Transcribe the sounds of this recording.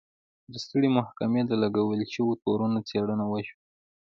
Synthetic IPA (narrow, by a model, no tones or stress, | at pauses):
d̪əst̪əɽimahkamed̪alaɡawəlʃəwot̪oɾunot͡seɽənawəʃwa